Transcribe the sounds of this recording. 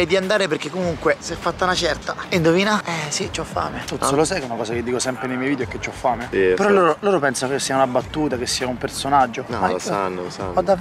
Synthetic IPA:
ed̪iand̪aːɾeperk̟ekːomuŋkwesɛfːat̪ːaunat͡ʃɛrt̪aind̪oviːnaɛsit͡ʃɔfːa̰ːmet̪ut̪ssolosɛkunakɔːsaked̪ːiːkosɛmpɾenejmɛjvid̪joɛkːet͡ʃːɔfːaːmepeɾɔlːoːɾoloːɾopɛnsanokesːiːaunabat̪ːuːt̪akesːiːaumpersonad͡ʒːoasanːolsaad̪ːa

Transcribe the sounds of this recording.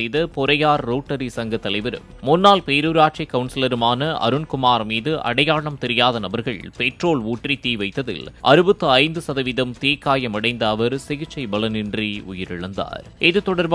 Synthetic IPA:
ɐjðɐpɔɾɐjaːɾːoːʈːɐɾisɐŋɡɐt̪ːɐlɐɪʋɐɾɯ̰mːʊnːaːlpeːɾuːɾaːʈ̚t͡ʃɐkːɐʋnsɪlɐɾɯmaːnɐʔɐ̰ɾɯnkʊmaːɾmiːðɯʔɐ̰ɽɐjaːɭɐmt̪ɛɾɪjaːðɐnɐbɐɾɣɐɭpɛʈroːɭuːʈrit̪iːʋɐɪt̪ːɐðɪ̰lʔɐɾɯbɐt̪ːɯɐɪnd̪ɯsɐðɐʋɪðɐmt̪iːkːaːjɐmɐɽɐɪnd̪ɐːʋɐɾsɪɣɪt͡ʃːɐɪbɐlɐnɪndriʊ̰jɪɾɪɭɐnd̪a̰ːɾɛðɯt̪ɔɽɐɾb

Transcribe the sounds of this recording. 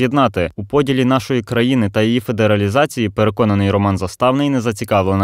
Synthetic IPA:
jed̪nɑt̪ɪupɔdʲilʲinɑʃɔjikɾɐjinɪt̪ɐjijife̞d̪eɾɐlʲizɑt͡sʲijipeɾekɔnɐnɪjɾɔmɑnzɐst̪ɑwnɪjnɛzɐt͡sʲikɑwlˠen

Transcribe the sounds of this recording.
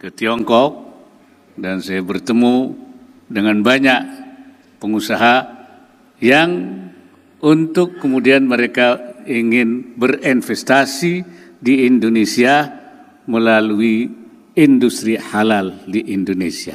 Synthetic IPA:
kət̪iɔŋkɔk̚ | dansajabərt̪əmu | dəŋanbaɲaʔ | pəŋusaɦa | jaŋ | unt̪ʊkːəmudianməɾekaiŋɪnbərinfɛst̪asi | diːndonesia | məlalui | indust̪ɾihalaldiʔindonesia

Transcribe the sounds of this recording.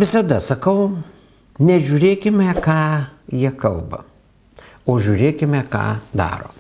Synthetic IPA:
ʋʲɪsɐd̪ɐsɐkɐʊ | nʲɛʒʲuːɾʲeːkʲɪmʲɛkɑːjiɛkɐlˠbɐ̰ | oːʒʲuɾʲeːkʲɪmʲɛkɑ̰ːd̪ɑ̰ːɾo̰ː

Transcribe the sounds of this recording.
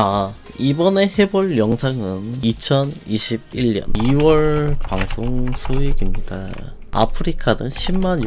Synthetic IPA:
aibʌne̞he̞buɭjʌŋsʰaŋɯnit͡ɕʰʌniɕʰib̚iɭjʌ̰niwʌɭpaŋsʰoŋsʰuiɡimɲida̰a̰pʰɯɾikʰadɯŋɕʰimːaɲ

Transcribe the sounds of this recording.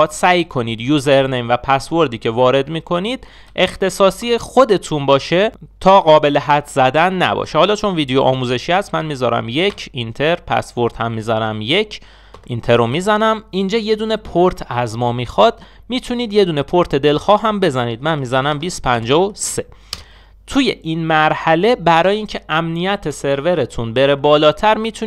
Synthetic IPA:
t̪sæjkʰo̞niːd̪juːzeɾnejmvæpʰæsvo̞ɾd̪iːcʰe̞vɒːɾe̞d̪miːkʰo̞niːd̪̥ | ʔe̞xt̪e̞sɒːsiːexo̞d̪e̞t̪ʰuːnbɒːʃe̞t̪ʰɒːɣɒːbe̞le̞ɦæt̪ʰz̥æd̪ænːæ̰bɒ̰ːʃehɒːlɒːt͡ʃʰo̞nviːd̪ejoʔɒ̰ːmuːze̞ʃiːhæst̪mænmiːzɒ̰ːɾæ̰mje̞cʰint̪ʰeɾpʰæ̰svo̞ɾd̪hæmːiːzænæmje̞cʰ | ʔint̪ʰeɾomizænæmind͡ʒɒːje̞d̪uːne̞pʰoɾt̪ʰæzmɒːmixɒd̪̥̚ | miːt̪ʰuniːd̪jed̪uːne̞pʰo̞ɾt̪ʰe̞d̪e̞lxɒːɦæmbe̞zæniːd̪̚mænmiːzænæmbiːst̪pʰænd͡ʒɒːose | t̪ʰuje̞ʔinmæɾhæle̞bæɾɒːjeiːncʰe̞ʔæmnijæt̪ʰe̞se̞ɾve̞ɾet̪ʰunbe̞ɾe̞bɒːlɒːt̪ʰæɾmiːt̪ʰu

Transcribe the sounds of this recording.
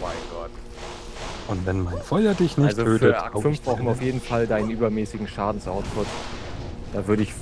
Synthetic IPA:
maɪnɡ̥ɔt | ʔʊntvɛnmaɪnfɔʏɐdɪçnɪçalzoøːfəɐʔa̰kfʏnffb̥ʁaʊxn̩vaʊfjeːdn̩faldaɪnənʔyːbɐmɛːsɪɡŋ̩ʃaːdn̩sʔaʊspʊt | d̥aːvʏɐɾəɪç

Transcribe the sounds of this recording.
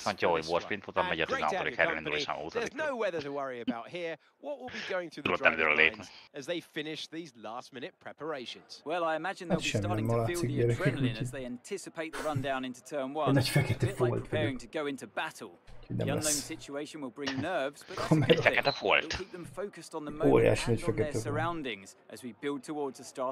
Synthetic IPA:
sãnoivoʃpinfot̪anmɛɟɔt̪a̰ɾikɛɾilind̪uleʃa̰no̰ːt̪əinəʊwɛðəɾəwʌɹiɨbaʊthiɹ | wɒʔwɪlˠbiɡoʊɪ̃ŋθuðulot̪ːɛmɛd̪øɾɛleːpnɛəzðeɪfɪ̃nɪʃðiːzlæˑstmɪ̃nɪt̚pʰɹ̥ɛpə˞eɪʃə̃nz̥wɛlˠaɪɨmæd͡ʒɪ̃natʃɛmːinɛmːɔlaːsikjɛɾɛkikĩnzðeɪæ̃ntʰɪsɪpʰeɪt̪̚ðəɹʌ̃ndãʊ̃nɪ̃ntutʰɜ̃˞nwʌ̃nɛt͡ʃfɛkɛt̪ɛfolt̪pɛɛːɹɪ̃ŋtʰəɡoʊɪ̃ntubatl̩ˠuoɟnɛ̰ʌ̃lɛ̰nlə̃ʊ̃nsɪt͡ʃueɪʃə̃nwɪlˠbɹɪ̃ŋnɜːvz̥bəkʰomɛt̪fɛkɛt̪əfo̰ltiˑp̚ðə̃ɱfəʊkəstn̩ðəmo̰ːɾija̰ːʃnɔɟffɛkɛəɛsə˞ãʊ̃ndɪ̃ŋz̥ʔəzwibɪlˠd̚tʰəwɔɹdz̥əstɑɹ

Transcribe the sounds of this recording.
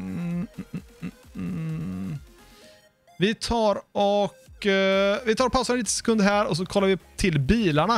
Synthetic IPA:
vɪt̪ʰɑːɾɔk | vɪt̪ʰɑːɾɔpʰaʊsaɾniːt̪əsɛ̥kʰɵnd̪ɦæːɾɔs̬ɔkʰɔlːaɾvɪt̪ʰɪlbiːlaɳa

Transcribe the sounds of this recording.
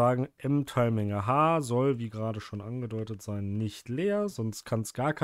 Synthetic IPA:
aːɡŋ̩ʔɛmtʰaɪmɪŋɐɦaːzɔlviːɡəʁaːdəʃoːnʔanɡədɔʏtətz̥aɪnːɪçtleːɐzɔnst̚kʰanstɡ̥aːɐkʰa

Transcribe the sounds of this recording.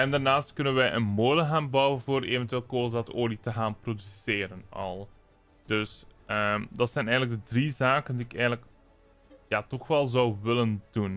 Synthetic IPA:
ɛndarnaːstkɵnənʋɛjʔənmoːləɣaːnbɑwənvoːɾeːvɛntyʋeːlˠkoːzaːtoːlitəɣaːnprodyseːɾənɑ̰lˠ | d̥ɵsəmdɑtsɛjnɛjɣənləɡ̚dədrizaːkəndiːɪkɛjɣənlək | jaːtɔxʋɛlˠzɑwʋɪləndun

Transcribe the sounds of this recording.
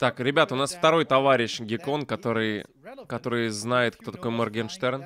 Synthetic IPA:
t̪akɾʲɪbʲat̪əʊnasft̪ɐɾo̞jt̪ɐvaɾʲɪɕɡʲɪko̞nkɐt̪o̞ɾɨj | kɐt̪o̞ɾɨjznajɪt̪kt̪o̞t̪ɐkojmɐrɡʲɛnʂt̪ɛɾn

